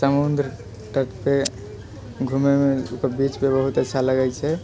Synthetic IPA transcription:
səmund̪ɾə | ʈəʈpe | ɡʱumemeukəɾbit͡ʃpebəɦut̪ətːʃʰaləɡɛjt͡ʃʰɛ

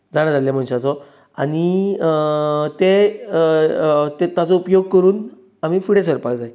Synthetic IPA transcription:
d͡zaɽ̃ãd͡zalljem̤əɳɕet͡sɔ | aɽ̃i | t̪e | t̪et̪jat͡sɔupjoɡ̚kəɾuːn | am̤iːfiɽesəɾpakd͡zae

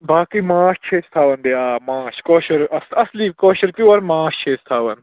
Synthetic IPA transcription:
baːkimãːʃt͡ʃʰeːst̪ʰaːʋɐnb̪eaːmãːʃkoːʃɐɾɐsɐsliːkoːʃɐɾkiʋɐɾmãːʃt͡ʃʰeːst̪ʰaːʋɐn

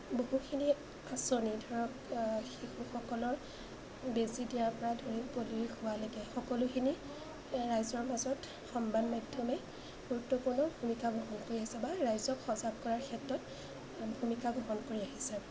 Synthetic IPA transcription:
boɦukʰini | asonidʱɔɹɔkxixuxɔkɔlɔɹ | bezidijaɹpɔɹadʱoɹipoliɹixʊwalɛɡɛxɔkɔlʊkʰini | ɹajzɔɹmazɔt | xɔmbanmadʱjɔmɛ | ɡ̥uɹutːɔpuɹnɔbʱumikaɡʱɔɦɔnkoɹiaɦisɛbaɹajzɔkxɔzab̚kɔɹaɹkʰɛtɹɔt | bʱumikaɡʱɔɦɔnkoɹiaɦisɛ

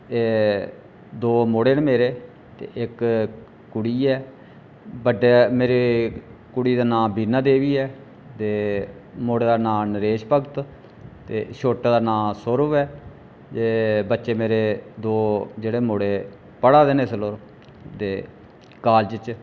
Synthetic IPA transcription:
eː | d̪oːmoːɽeːnmeːɾeː | t̪ḛːʔɪk | kʊɽiːɛː | bəɖeːmeːɾeːkʊɽiːd̪aːnãːbiːnaːd̪eːʋiːɛː | t̪eːmoːɽeːd̪aːnãːnəɾeːʃpəɡt̪ | t̪ḛːʃoːʈːd̪aːnãːsoɾʋɛː | d͡ʒeːbətːʃeːmeːɾeːd̪oːd͡ʒeːɽeːmoːɽeː | pəɽaːd̪eːneːsəloːɾ | t̪eː | kaːld͡ʒət͡ʃ

